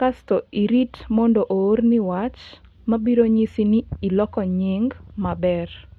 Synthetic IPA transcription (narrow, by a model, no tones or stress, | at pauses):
kastoiɾitmɔndoʔoːrniwat͡ʃ | mabiɾoɲisiniːlɔkɔɲɪŋɡmabɛr